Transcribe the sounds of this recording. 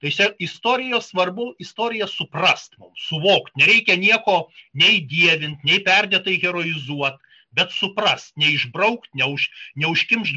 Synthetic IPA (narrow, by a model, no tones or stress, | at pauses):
t̪ɐɪsʲɛɪst̪oːɾʲɪjoːssʋɐrbʊɪst̪oːɾʲɪjɛsʊprɐst̪mʊmsʊʋoːkt̪nʲɛɾʲɛɪkʲɛnʲiɛkoːnʲɛɪd̪ʲiɛʋʲɪnʲt̪ʲnʲɛɪpʲɛrʲd̪ʲɛːt̪ɐɪɣʲɛɾoɪzuɔt̪ | bʲɛt̪sʊprɐst̪nʲɛɪʒbrɐʊkt̪nʲɛʊʃʲnʲɛʊʃʲkʲɪmʲʒʲ